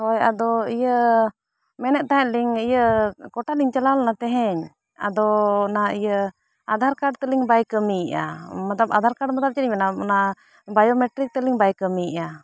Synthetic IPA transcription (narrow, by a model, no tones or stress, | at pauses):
hɔja̰d̪ɔijə | mɛnɛʔ̚t̪aɦɛliŋijəkɔʈaliŋt͡ʃalalnat̪ɛɦɛɲ | a̰d̪ɔnaijə | ad̪ʱaɾkaɖt̪əliŋbajkəmiʔa̰mat̪aba̰d̪ʱaɾkaɖmat̪ap̚t͡ʃəɗiɲɛnana | bajɔmɛʈɾik̚t̪ɛliŋbajkəmiʔa